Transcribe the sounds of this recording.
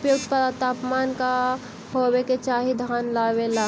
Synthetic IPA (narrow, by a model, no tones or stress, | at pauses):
pjukt̪pət̪aːpmanka | ɦobeket͡ʃaːɦid̪ʱanlabela